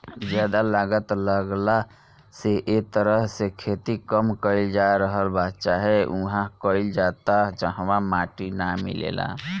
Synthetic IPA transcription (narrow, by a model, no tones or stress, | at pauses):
d͡ʒɛd̪alaɡət̪ləɡla | seʔet̪əɾəɦsekʰet̪ikəmkəɪld͡ʒaɾəɦəlbad̪t͡ʃaɦeuɦãkəild͡ʒat̪aɦt͡ʃəɦʋamaʈinamḭlḛla̰